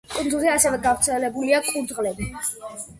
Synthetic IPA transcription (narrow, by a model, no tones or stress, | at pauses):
kʼund̪zuziasɛvɛɡavɾt̪sʰɛlɛbuliakʼund̪zʁlɛbi